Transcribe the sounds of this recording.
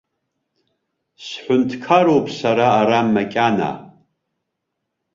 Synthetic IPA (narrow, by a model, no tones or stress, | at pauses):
sħʷʊntʰkʰaɾowpʼsaɾaːɾamːakʲʼana̰